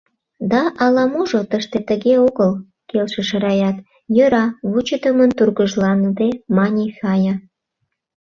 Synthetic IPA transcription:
d̪ɑʔɑlɑmuʒot̪əʃt̪et̪əɣeoɣəl | kelʃeʃə̆ɾɑjɑt̪ | jøɾɑβut͡ɕət̪əmənt̪urɣəʒlɑnd̪emɑnʲexɑjɑ

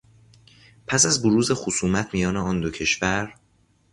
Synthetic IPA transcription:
pʰæsæzboɾuːze̞xosuːmæt̪ʰmijɒːneɒːnd̪ocʰe̞ʃvæɾ

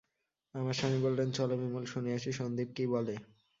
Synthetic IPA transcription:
amaɾʃanibolɾent͡ɕɔlomimulʃuneaʃʰiʃond̪ib̚kibɔle

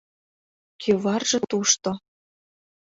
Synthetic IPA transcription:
kʰeβɑrʒɤ̆t̪uʃt̪ŏ

